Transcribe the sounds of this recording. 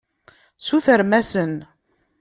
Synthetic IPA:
suθəɾmæsən

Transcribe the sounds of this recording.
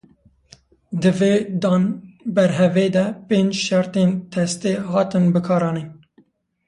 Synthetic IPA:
d̪ɨveːd̪ɑːnbɛɾɦɛveːd̪ɛpẽːnd͡ʒʃæɾt̪eːnt̪ʰɛst̪eːɦɑːt̪ɨnbɨkʰɑːɾɑːneːn

